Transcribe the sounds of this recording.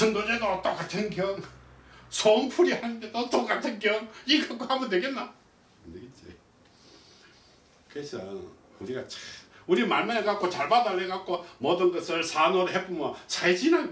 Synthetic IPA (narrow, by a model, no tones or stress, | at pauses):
t͡ɕʰɯŋd̪od͡ʑeɡaʌt͈ok͈atʰɯnkjʌŋ | sʰoŋpʰuɾihanɯnd̪et̪oʌt͈ok͈atʰɯnɡjʌŋiɡak͈ohambʌndweɡetnːa | ɯndeɡet͡ɕḭ | kɯesʰʌ | uɾiɡat͡ɕʰuɾimaɭmaekak͈ʰot͡ɕaɭbadaɭːekak͈omʌdɯnɡʌsʰɯɭsʰanʌɾoɦep͈ʰumʌt͡ɕaɭd͡ʑina